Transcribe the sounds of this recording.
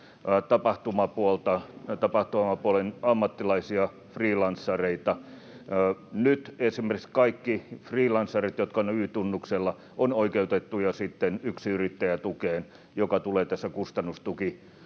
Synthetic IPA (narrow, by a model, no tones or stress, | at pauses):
t̪ɑpɑht̪umɑpuolt̪ɑt̪ɑpɑht̪umɑpuolenɑmːɑt̪ːilɑisiɑ | friːlɑnsːɑreit̪ɑ | nyt̪esimerkikskɑikːifriːlɑnsːɑrit̪jot̪kɑonyːt̪unːukselːɑ | onoikeut̪et̪ːujɑsit̪ːenyksiyrit̪ːæjæt̪ukeːn | jokɑt̪uleːt̪æsːækust̪ɑnːust̪uki